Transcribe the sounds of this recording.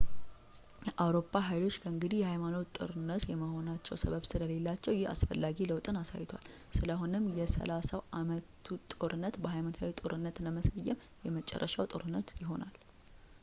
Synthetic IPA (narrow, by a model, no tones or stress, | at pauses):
jɛʔawɾo̞pʰːaɦajlo̞t͡ʃːkʰəɨŋɡɨd̪ihjɛhajmano̞t̪t̪ʼɨ̰ɾɨnːət̪jɛməho̞nat͡ʃːɛ̰wsəβəβsɨləle̞lːat͡ʃːɛwjɪha̰sfəlːaɡiləwt̪ʼɨnasa̰jːɪt̪ʰwa̰l | sɨləhonɨmːjɛsə̰lasawʔamət̪ʰut̪ʼoɾɨnːət̪bəhajmanot̪ʰawit̪ʼoɾɨnːət̪ləməsəjːɛm | jɛmət͡ʃʼːɛ̰rːəʃawt̪ʼoɾɨnːət̪jɪɦo̞nal